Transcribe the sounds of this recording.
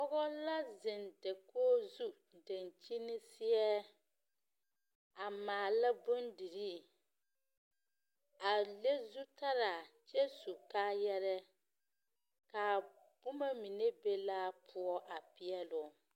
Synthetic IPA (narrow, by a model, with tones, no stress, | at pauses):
ɔ˦ɣɔ˦la˦zɪ˨ndɛ˨koː˦zu˦ | de˨nt͡ʃi˦nɪ˦si˦ɛ˦ | a˨maː˨la˦bʊ˦ndi˨ɾi˦ | a˨le˦zu˦ta˦ɾa˨t͡ʃɛ˦su˨ka˦jɛ˦ɾɛ˦ | ka˨ | b̥ʊ˦ma˦mi˨ne˦be˦la˦pʰu˦ɔ˦ʔa˨pi˦ɛ˦lʊ˨